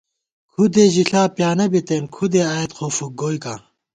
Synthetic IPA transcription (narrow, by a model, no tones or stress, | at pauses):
kʰud̪eʑiɬaːpjaːnɐbit̪eːnkʰud̪eaːet̪xʰofuk̚ɡoːjka